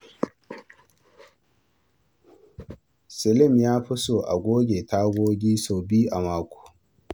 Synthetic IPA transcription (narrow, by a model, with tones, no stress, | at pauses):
sɪ˨lɪ˦˨mjaː˦ɸʊ˦so˨ʔa̰˨ɡʷoː˦ɡʲe˨ta˦ɡʷoː˦ɡʲiː˦soː˨biː˦ʔa˨maː˨kʷu̥˨